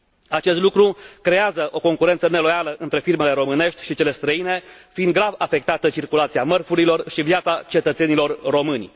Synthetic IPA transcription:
at͡ʃe̞st̪lukɾukɾe̞azəʔo̞ko̞ŋkuɾent̪səne̞lo̞jaləʔɨnt̪ɾe̞firme̞le̞ɾo̞mɨne̞ʃt̪ʲʃit͡ʃe̞le̞st̪ɾəine̞fiind̪ɡɾavafe̞k̚t̪at̪ət͡ʃirkulat̪siamərfuɾilo̞rʃivjat̪sat͡ʃe̞t̪ət̪se̞nilo̞rːo̞mɨnʲ

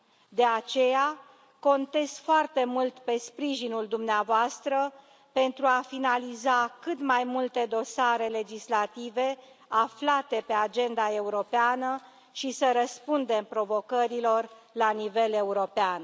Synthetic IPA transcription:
d̪e̞at͡ʃe̞ja | ko̞nt̪e̞skfoart̪e̞mult̪pe̞spɾiʒinuld̪umneavoast̪ɾə | pe̞nt̪ɾuafinalizakɨt̪majmult̪e̞d̪o̞saɾe̞le̞d͡ʒislat̪ive̞ | aflat̪e̞pe̞ad͡ʒe̞nd̪ae̞uɾo̞peanə | ʃisəɾəspund̪e̞mpɾo̞vo̞kəɾilo̞r | lanive̞le̞uɾo̞pean

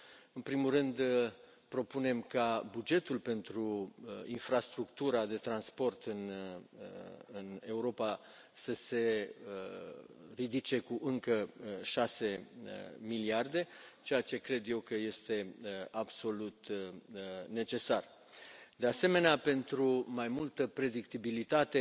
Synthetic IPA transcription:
ɨnpɾimurɨnd̪ | pɾo̞pune̞mkabud͡ʒe̞t̪ulpe̞nt̪ɾuinfɾast̪ɾukt̪uɾad̪e̞t̪ɾanspo̞rt̪ɨn | ɨne̞uɾo̞pa | səse̞ | rid̪it͡ʃe̞kuʔɨŋkəʃase̞̰ | miliard̪e̞t͡ʃe̞jat͡ʃe̞kɾe̞d̪je̞wkəje̞st̪e̞abso̞lut̪ | ne̞t͡ʃe̞sar | d̪e̞ase̞me̞neape̞nt̪ɾumajmult̪əpɾe̞d̪ikt̪ibilit̪at̪e̞

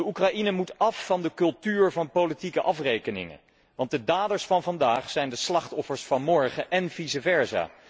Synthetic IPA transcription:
dəukrɑʔinəmutɑfːɑndəkɵlˠtyːɹvɑnpowlitikəʔɑfrejkənɪ̰ŋə̰ | ʋɑnt̚dədaːdəɹsfɑnvɑndaːχsɛjndəslɑχtɔfəɹsfɑnmɔɹχəʔɛnvizəvɛɹza̰ː

